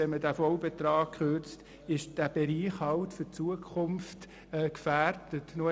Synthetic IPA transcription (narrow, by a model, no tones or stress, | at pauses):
ɛmədæfɔlbɛtrɑːk̚kʰχøɾt͡st | ɪʃd̥æb̥eɾiːχhɑltfʏt͡suəkʰχʊmft | ɛːkfæːrd̥ətno